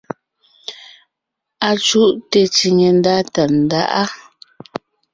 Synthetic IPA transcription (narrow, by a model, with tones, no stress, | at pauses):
a˨t͡ʃu˦ʔte˨t͡ʃi˨ŋe˨n˦da˦ta˨n̩˨da̰˦ʔa˦